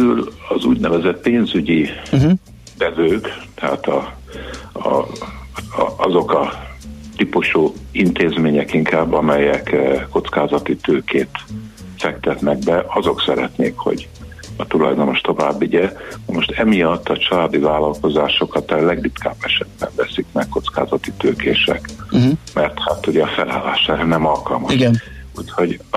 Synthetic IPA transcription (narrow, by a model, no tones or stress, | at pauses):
ylɒzṵːɟnɛvɛzɛt̪̚peːnzyɟi | d̪ɛvøːkt̪ɛɦaːt̪ɒ | ɒ̰ | ɒzo̞kɒt̪ipuʃuːint̪eːzmeːɲɛkiŋkʰaːbːɒmɛjɛkːo̞t̪skaːzɒt̪it̪øːkʰeːt̪fɛkt̪ɛt̪nɛɡ̚bɛʔɒzo̞ksɛɾɛt̪neːkho̞̰ɟ | ɒt̪ulɒ̰jd̪o̞no̞ʃt̪o̞vaːbːiɟɛnɒmo̞ʃt̪ɛmijɒt̪ːɒt͡ʃɒlaːd̪ivaːlɒlko̞zaːʃo̞kɒt̪ɛlɛɡdit̪ka̰ːbːɛʃɛd̪̚bɛ̰ɱvɛsikmɛkkːo̞t̪ska̰ːzɒt̪it̪øːkeːʃɛ̰kmɛrt̪hat̪uɟɛɒfɛla̰ːlːaːʃɛɛnɛmɒlkɒlmɒʃuːcho̞ɟ